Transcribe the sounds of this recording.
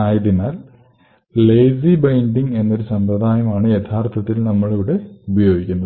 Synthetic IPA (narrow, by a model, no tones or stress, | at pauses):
aːjɐðinaːl | leːjsibɐjɳɖiŋɡe̞nːoɾusɐmpɾɐd̪ʱaːjɐmaːɳɨjet̪ʰaːrt̪ʰɐt̪ːilnɐmːɐɭiʋiɽe̞ubʱɐjo̞ːɡikʲːunːɐð